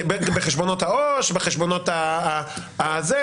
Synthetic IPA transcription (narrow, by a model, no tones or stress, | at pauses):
bebeχeʃbonothaoʃbeχeʃbonot̪a | aze